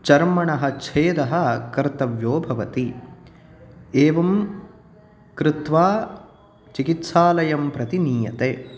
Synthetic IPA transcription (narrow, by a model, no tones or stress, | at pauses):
t͡ʃɐɾmɐɳɐɦɐ̆t͡ʃʰeːd̪ɐɦɐ̆kɐɾt̪ɐʋjoːbʱɐʋɐt̪i | eːʋɐm | kɾɪt̪ʋaː | t͡ʃikit̪saːlɐjɐmpɾɐt̪iniːjɐt̪eː